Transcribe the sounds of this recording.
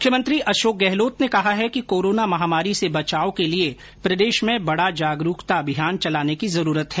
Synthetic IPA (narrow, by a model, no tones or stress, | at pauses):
ʊkʰjəmɐ̃nt̪ɾiʔɐʃoːk̚ɡɛɦloːt̪nekɐɦaɦɛkikoːɾoːnamɐɦaːmaːɾisebɐt͡ʃaːokelie | pɾɐd̪eːʃmẽbɐɽad͡ʒaːɡɾuːkt̪abʱijaːnt͡ʃɐlaːnekizɐɾuːɾət̪ɦɛː